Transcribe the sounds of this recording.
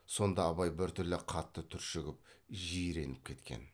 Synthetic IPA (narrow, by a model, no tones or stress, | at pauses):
so̞nd̪ɑːβɑjbɪɾt̪ʰʏɾlɪqʰɑt̪ːət̪ʰʏɾʃɪɡʲɪp̚ʒijɾe̞nɪp̚kʲʰe̞t̪kʲe̞̰n